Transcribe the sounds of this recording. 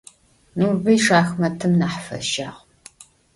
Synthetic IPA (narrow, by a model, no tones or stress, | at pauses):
nuːbɐjʂaːxmɐtʰɨmnaːħfɐ̰ʃaːʁ